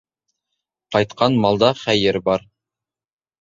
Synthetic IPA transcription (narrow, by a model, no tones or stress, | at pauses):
qɑjt̪̚qɑnmɑlˠd̪ɑχæjɘɾbɑɾ